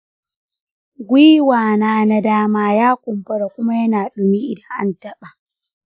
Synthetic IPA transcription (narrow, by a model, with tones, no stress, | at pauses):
ɡʷiː˦waː˨naː˦na˦daː˦maː˦jaː˦kʷʼʊ˨mɸɐ˦ɽa˨kʷʊ˦ma˦jɐ˦naː˨ɗʊ˨mi˦ʔɪ˨dɐ˦ŋʔa̰˦ntɐ˦ɓa˨